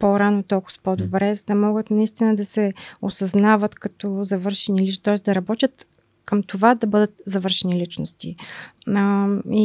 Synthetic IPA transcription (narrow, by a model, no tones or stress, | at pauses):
poɾanot̪ɔlˠkʊ̥spɔd̪obɾɛzɐd̪ɐmɔɡət̪nɐist̪inəd̪ɐsɛosɐznavət̪kɐt̪ɔzɐvɤɾʃɛnilit̪ɔɛsd̪ɐɾɐbɔt̪ʲjət̪ | kəmt̪ovad̪ɐbɤd̪ət̪zɐvɤɾʃɛnilit͡ʃnost̪i | i